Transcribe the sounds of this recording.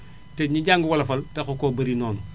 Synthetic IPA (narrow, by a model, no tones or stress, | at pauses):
teɲiɟaːŋɡuwɐlɐfɐltexokoːbɐɾinoːnu